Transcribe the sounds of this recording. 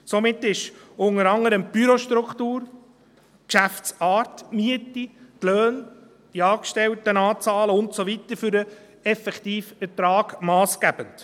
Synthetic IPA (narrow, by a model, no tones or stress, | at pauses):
somɪtːɪʃʊŋəɾɑŋəɾəmb̥yɾoʃtɾuktuːɾ | kʃæft͡sɑːɾtmyətitløːn | d̥iɑːkʃtɛltənɑːt͡sɑːləʊntsovitəɾfʏɾə | ɛfɛktiːfɛtɾɑːɡ̥mɑːsɡ̥æb̥ənt